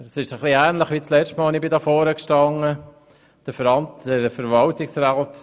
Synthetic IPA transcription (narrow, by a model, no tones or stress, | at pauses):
sɪʃəχliæːnləχʋiːt͡slɛʃtmɑːlnɪbɪdɑfɔːɾəkʃtɑŋːə | d̥əɾfəɾɑntd̥əɾfəɾʋɑltɪksɾaːt